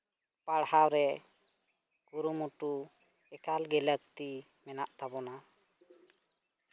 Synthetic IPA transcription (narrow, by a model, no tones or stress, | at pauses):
paɽhawɾɛ | ɡuɾumuʈu | ɛkalɡɛlək̚t̪i | mɛnaʔt̪abɔna